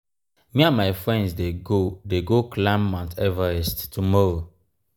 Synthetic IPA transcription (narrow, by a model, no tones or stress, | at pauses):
mĩãnmaɪfɹɛ̃ndsdeɡodeɡoklãmːãntɛvaɹɛsttumɔɹo